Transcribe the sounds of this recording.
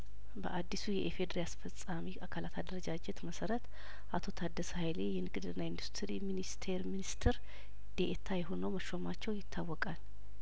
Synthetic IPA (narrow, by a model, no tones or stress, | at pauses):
bə̰ʔad̪ːisujɛʔefed̪ɾeasfəsʼamiʔakʰalat̪ʰad̪əɾəd͡ʒad͡ʒɛt̪məsəɾət̪ | ʔat̪ʰo̞t̪ʰad̪ːəshajlejɛnɨɡɨd̪ɨnːaind̪ust̪ʰɾiminist̪ʰeɾminist̪ʰɨɾ | d̪̥eʔet̪ʰajɛɦo̞nəwməʃomat͡ʃːɛwjɪt̪ʰːawːɔkʼal